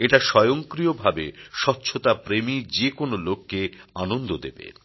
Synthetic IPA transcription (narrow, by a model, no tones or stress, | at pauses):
eʈaʃɔjoŋkɾijobʱabḛʃɔtːɕʰot̪apɾemid͡ʑekonolokːeanond̪od̪ebḛ